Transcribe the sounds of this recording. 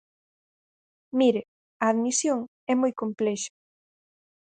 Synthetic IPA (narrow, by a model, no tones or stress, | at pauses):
miɾɪ | ɐaðmisjoŋ | ɛmojkomplɛʃɐ̥